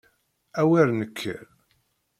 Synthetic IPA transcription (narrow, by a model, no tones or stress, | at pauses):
æwæɾnəkʰːə̰ɾ